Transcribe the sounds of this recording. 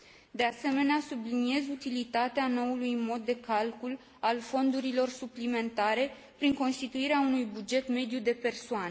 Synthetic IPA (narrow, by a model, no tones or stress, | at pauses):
d̪e̞ase̞me̞neasublinie̞zut̪ilit̪at̪eano̞ulujmo̞d̪ːe̞kalkul | alfo̞nd̪uɾilo̞rsuplime̞nt̪aɾe̞ | pɾiŋko̞nst̪it̪uiɾeaunujbud͡ʒe̞t̪me̞d̪jud̪e̞pe̞rsoane